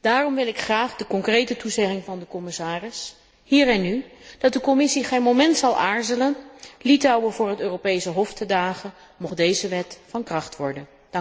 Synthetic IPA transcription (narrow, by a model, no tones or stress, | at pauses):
d̥aːrɔmʋɪlˠɪkχraːχdəkɔŋkrejtətuzɛχɪŋvɑndəkɔmɪsaːrɪs | ɦiːɹɛnːyd̥ɑt̚dəkɔmɪsiχejnmowmɛntsɑlˠʔaːɹzələnlitɑwəvʊːɹɦətøːrowpejsəɦɔftədaːχə | mɔχdejzəʋɛtfɑnkrɑχtʋɔ̰ɹdən